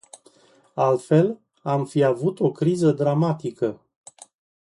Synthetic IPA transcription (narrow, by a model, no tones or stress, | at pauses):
alt̪fe̞l | amfiavut̪o̞kɾizəd̪ɾamat̪ikə